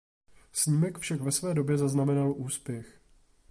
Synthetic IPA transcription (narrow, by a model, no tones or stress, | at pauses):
sɲimɛkfʃakvɛsvɛːdo̞bjɛzaznamɛnalʔuːspjɛx